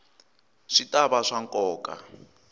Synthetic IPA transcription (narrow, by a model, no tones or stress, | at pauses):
ʂitʼaβaʂaŋkʼɔːkʼa̰